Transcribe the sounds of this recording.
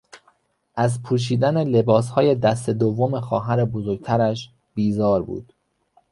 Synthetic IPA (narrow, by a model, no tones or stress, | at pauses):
ʔæzpʰuːʃ̬iːd̪ænele̞bɒːshɒːje̞d̪æst̪e̞d̪ovːome̞xɒːɦæɾebozoɾɟ̚t̪ʰæɾæʃ | b̥iːzɒːɾbṵːd̪̥